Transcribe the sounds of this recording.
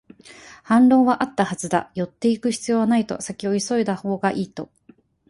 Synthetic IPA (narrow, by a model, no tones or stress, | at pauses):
hãnɾõ̞ːβaʔat̪ːahazɨd̪a̰jo̞t̪ːe̞ikɯ̟çi̥t͡sɨjo̞ːβanait̪o̞̰sakʲio̞iso̞id̪aho̞ːɡaʔiːt̪o̞